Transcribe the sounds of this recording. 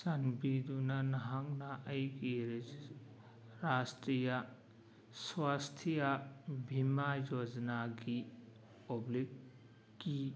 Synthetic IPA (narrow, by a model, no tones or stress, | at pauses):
sanbidunɐnɐɦaŋnaʔɐjɡiɾ | ɾastɾijɐ | swast̪ʰijɐbʱimajod͡ʒnaɡi | oblikː | i